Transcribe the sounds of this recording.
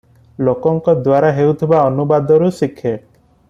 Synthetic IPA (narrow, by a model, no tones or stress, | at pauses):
lokɔŋkɔd̪waɾaɦewt̪ʰibaɔnubad̪ɔɾusikʰːeʈ